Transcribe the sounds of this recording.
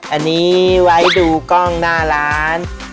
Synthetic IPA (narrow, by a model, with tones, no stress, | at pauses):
ʔa˧nːiː˦˥wa˦˥jduː˧kɔ˥˩ŋnaː˥˩laː˦˥n